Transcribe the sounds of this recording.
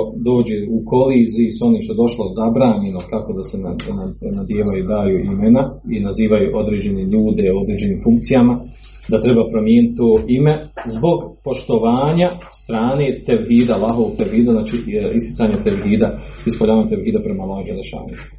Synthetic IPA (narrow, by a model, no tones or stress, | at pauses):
d̪o̞ːd͡ʑeuko̞liːzisuo̞niːʃt̪od̪o̞ʃlˠozabɾaːɲe̞nokako̞d̪asenananad̪jeːʋajud̪aːjuːʔimenainaziːʋajuːʔo̞d̪ɾe̞ːd͡ʑe̞neʎuːd̪e̞o̞d̪ɾeːd͡ʑe̞niːmfuŋk̚t̪sijama | d̪at̪ɾe̞bapɾomjeːnit̪̚t̪ːoːʔime̞zbo̞ɡpo̞ʃt̪o̞ʋaːɲast̪ɾaːne̞ːt̪eʋɦiːd̪alˠaɦoɡ̚t̪eʋɦiːd̪aznaːt͡ʃiist̪i̥t̪saːɲat̪eʋɦiːd̪aispoʎaːaot̪eʋɦiːd̪apɾemalaʒed̪eʃa̰ːnḭ